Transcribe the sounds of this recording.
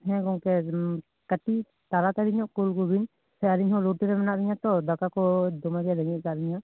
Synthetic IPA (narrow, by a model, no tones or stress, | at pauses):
ɦɛ̃kɔŋkɛ | kəʈi | t̪aɾat̪aɾiɲɔʔkulkubin | sɛaɾiɲɦɔ̃lɔʈiɾɛmɛnaʔɾiɲat̪ɔd̪akakɔd̪ɔmadijalaɲit̪̚kaʔɾiɲaʔ